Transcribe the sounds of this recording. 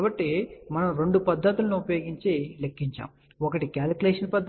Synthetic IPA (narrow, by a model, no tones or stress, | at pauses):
bɐʈːimɐnɐmɾe̞ɳɖupɐd̪ʱːɐt̪ulɐnuupɐjoːɡiɲt͡ʃeːlekʰːiɲt͡ʃa̰ːm | ɔkɐʈikaːlkuleːʂɐnpɐd̪ʱ